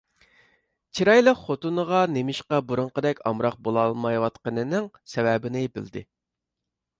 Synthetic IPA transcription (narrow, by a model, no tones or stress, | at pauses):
t͡ʃʰiɾɑjlˠəχot̪unəʁɑnemɪʃqɑbuɾʊɴqəd̪ɛkʲɑ̰mɾɑq̚bolˠɑlˠmɑjwɑt̪qənɨnɪŋ | sɛvɛbɪnɪbɪ̰ld̪ɪ̰